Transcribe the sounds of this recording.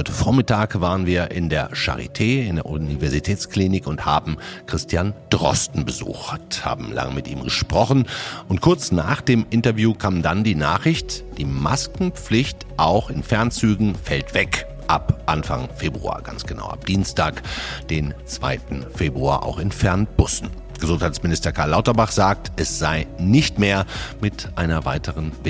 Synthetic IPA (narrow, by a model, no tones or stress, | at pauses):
ɔʏtə̥foːɐmɪtaːkvaːʁənviːɐʔɪndeːɐʃa̰ʁ̞ḭtʰeːɪndeːɐʔunivɛɐzitʰɛːt͡skliːnɪkʊnthaːbm̩kʁ̥ɪstʰjand̥ʁɔ̰stn̩bəzṵːxtha̰ːbm̩la̰ŋəmɪtʔḭːmɡəʃpʁ̥ɔχn̩ʔʊntkʰʊɐt͡snaːχd̥eːmʔɪntɐvjuːkʰaːmdandiːnaːχʁɪçtd̥iːmaskŋ̩p͡flɪçt | ʔaʊxɪnfɛɐnt͡syːɡŋ̩fɛltv̥ɛk | ʔapʔanfa̰ŋfeːbʁṵa̰ːɡ̥a̰nsɡ̥əna̰ʊa̰p̚d̥iːnstʰaːkd̥eːnt͡sv̥a̰ɪtn̩feːbʁua̰ːʔa̰ʊxɪnfɛɐnb̥ʊsn̩ | ɡ̥əzʊnthaɪt͡smɪnɪstɐkʰaːɐlaʊtɐbaχz̥aːk̚tʰʔɛsz̥aɪnɪçtmeːɐmɪtʔaɪnɐvaɪtəʁənvɪ